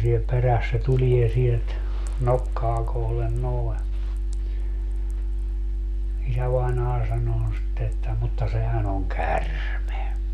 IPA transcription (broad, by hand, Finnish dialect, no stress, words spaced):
siel peræs se tulie sielt nokːɑː kohlen noi̯ isæʋɑinɑː sɑnoː sitːe etːæ mutːɑ sehæn oŋ kærme